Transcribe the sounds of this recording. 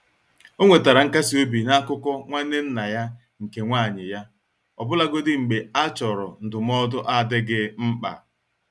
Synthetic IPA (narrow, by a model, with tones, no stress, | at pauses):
o˦ŋʷe˨ta˨ɾa˨ŋ̩˦ka˦si˨o˦bi˨na˦kʊ˦kɔ˦ŋʷa˦ne˦n̩˦na˨ja˦ | ŋ̩˨ke˨ŋʷa˦˨ɲɪ˨ja˦ | ɔ̰˨bʊ˦la˦ɡo˦dɪ˦ŋ͡m̩˨ɡ͡be˨a˦t͡ʃɔ˨ɾɔ˨n̩˨dʊ˨m˦ɔ˦dʊ˦ʔa˦˨dɪ˦ɡɪ˦m̩˦k͡pa̰˨